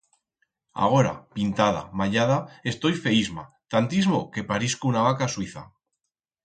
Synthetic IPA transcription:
a̰ɣo̞ɾa̰pint̪að̞a̰maʎað̞ae̞st̪o̞jfe̞izma̰ | t̪ant̪izmoke̞paɾiskunaβ̞akaswiθa̰

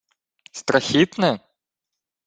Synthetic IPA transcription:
st̪ɾɐxʲit̪nɛ

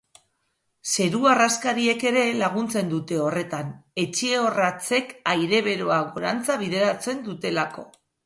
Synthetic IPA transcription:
se̞ɾuaraskaɾie̞ke̞ɾe̞laɣ̞unt͡se̞nd̪ut̪e̞o̞re̞t̪ane̞t͡ʃeo̞rat͡se̞kajɾe̞βe̞ɾo̞aɣoɾant͡saβiðe̞ɾat͡se̞nd̪ut̪e̞lako̞̰

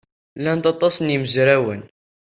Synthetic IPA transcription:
lænt̪ɑt̪ˤːɑsniməzɾæwən

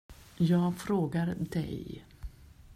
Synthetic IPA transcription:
jɑːɡfɾoːɡaɾd̪ɛ̰j

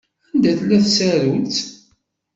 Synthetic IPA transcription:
ænd̪æθlːæθsæɾult͡s̪

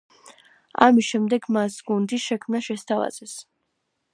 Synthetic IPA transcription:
a̰misʃɛmd̪ɛɡmasɡund̪iʃɛkʰmnaʃɛst̪ʰava̰z̥ɛs

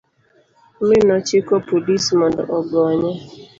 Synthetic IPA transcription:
mɪnɔt͡ʃɪkɔpodismɔndɔ̰ʔɔɡɔɲɛ

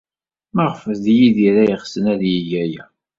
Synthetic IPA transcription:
məʁfəðjiðiɾæjəχsənæðjijæjæ

